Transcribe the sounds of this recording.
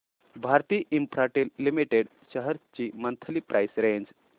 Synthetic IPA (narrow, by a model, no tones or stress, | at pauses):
bʱaɾt̪iːʔĩmpɾaʈilːimiʈeɽ | ɕəɦəɾt͡ɕimənt̪ʰəlipɾʔajsɾẽɲd͡ʑ